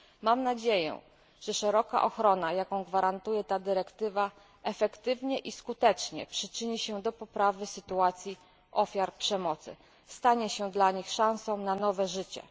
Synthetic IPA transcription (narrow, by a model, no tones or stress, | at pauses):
mamnad͡ʑejɛ̰ | ʐ̥ɛʂɛɾɔka̰ʔɔxɾɔnajakɔ̃w̃ɡvaɾant̪ujɛt̪ad̪ɘɾɛkt̪ɘva | ʔɛfɛkt̪ɘvɲɛʔiskut̪ɛt͡ʂɲɛ̰pʂɘt͡ʂɘɲiɕɛd̪ɔpɔpɾavɘsɘt̪uat̪sʲji | ʔɔfʲjaɾpʂɛmɔt̪sɘ̰ | st̪aɲɛɕɛd̪laɲixʂãñsɔ̃w̃nanɔvɛʐɘt͡ɕɛ̰